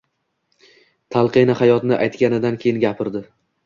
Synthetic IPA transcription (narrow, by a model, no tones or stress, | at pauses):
t̪ʰalˠqʰɨnahajɒt̪nɪʔajt̪kʲanɪd̪ankʲʰe̞jɪnɡʲapʰɪɾd̪ɪ